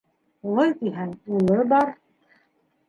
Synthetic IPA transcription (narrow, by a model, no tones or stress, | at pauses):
ulˠɤjt̪iɦænulˠɤbɑɾ